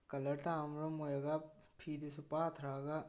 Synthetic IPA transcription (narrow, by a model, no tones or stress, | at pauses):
kɐləɾt̪aːmɾomoɾɐɡa | pʰiːd̪usupaːt̪ʰɾaːɡaː